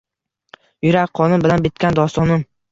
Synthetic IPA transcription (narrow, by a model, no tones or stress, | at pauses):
jʊɾakʲqʰɒnʊnbɪlanbɪt̪kʲand̪ɒst̪ɒnɪm